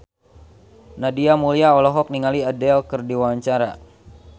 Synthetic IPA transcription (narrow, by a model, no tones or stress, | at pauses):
nadiamuliaɔlɔɦɔk̚niŋaliadɛlkɨrdiwaɲt͡ʃaɾa̰